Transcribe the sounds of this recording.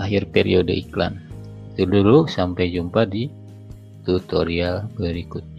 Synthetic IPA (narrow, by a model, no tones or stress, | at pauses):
aɦirpɛɾiodə̰ikla̰n | t̪əluɾusampajd͡ʒumpadi | t̪ut̪ɔɾiabəɾikut̪̚ɲ